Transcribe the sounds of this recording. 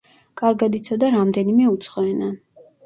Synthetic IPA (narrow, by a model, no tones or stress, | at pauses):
kʼaɾɡad̪it̪sʰɔd̪aɾamd̪ɛnimɛut̪sʰχɔɛna